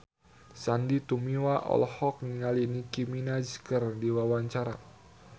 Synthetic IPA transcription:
sandit̪umiwaʔɔ̰lɔhɔk̚niŋalinikiminazkərdiwawaɲt͡ʃaɾa

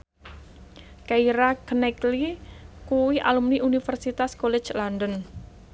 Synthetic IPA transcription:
kaiɾakənɛklikuwiʔa̰lumniʔunifərsit̪askolɛ̥t͡ʃlandən

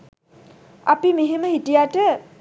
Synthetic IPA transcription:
a̰pimeɦeməhitijaʈə

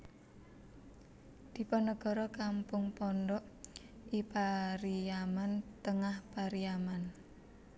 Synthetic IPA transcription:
d̪̥i̤pɔnɔɡ̥ɔ̤ɾɔkampʊŋpɔnɖɔʔ | ʔipaɾiamant̪əŋahpaɾiaman

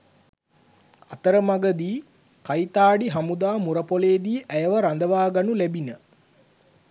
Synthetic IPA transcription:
a̰t̪əɾəmaɡəd̪iː | kajt̪aːɖiɦamud̪aːmuɾəpoleːd̪iːʔæjəʋəɾand̪əʋaːɡanulæbinə

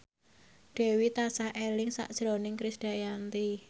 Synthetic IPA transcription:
ɖ̥e̤wit̪asahelɪŋsa̰ʔd̥ʒ̥ɾonɪŋkɾɪsɖ̥a̤jant̪i

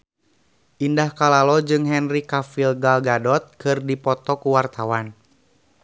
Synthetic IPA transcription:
ʔindahkalalɔd͡ʒɨŋɦɛnrikafilɡalɡadɔt̪̚kɨrdipɔt̪ɔkuwart̪awan

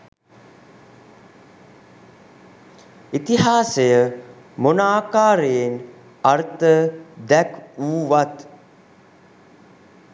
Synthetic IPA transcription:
it̪iɦaːsejə | monaːkaːɾejen | art̪əd̪ækuːʋat̪

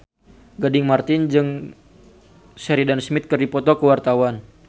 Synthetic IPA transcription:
ɡadɪŋmart̪ɪnd͡ʒɨŋ | sɛɾidansmɪt̪̚kərdipɔt̪ɔkəwart̪awan

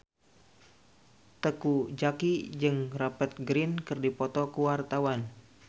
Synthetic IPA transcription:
t̪əkud͡ʒakid͡ʒɨŋrapət̪̚ɡɾinkɨrdipɔt̪ɔkuwart̪awan

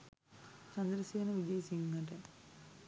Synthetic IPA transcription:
t͡ɕɐnd̪ɾɐseːnɐʋid̪iːsiŋɡɐʈe

